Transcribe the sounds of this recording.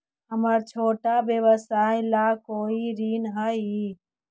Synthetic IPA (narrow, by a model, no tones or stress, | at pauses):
ɦəməɾt͡ʃʰoːʈabjəʋəsajlakoːiɾinɦəi